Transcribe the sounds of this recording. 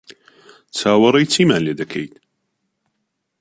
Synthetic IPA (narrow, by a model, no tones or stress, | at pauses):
t͡sʰaːwɐɾɐjt͡sʰiːmaːnleːd̪ɐkʰejt̪